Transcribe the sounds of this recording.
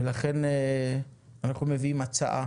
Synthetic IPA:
elaχe̞ne | anaχnumeviimat͡sa̰ʔa

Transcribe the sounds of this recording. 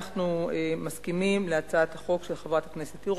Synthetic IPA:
χnuemaskimimleat͡saat̪haχo̞kʃelχavʁat̪hakneset̪iʁ

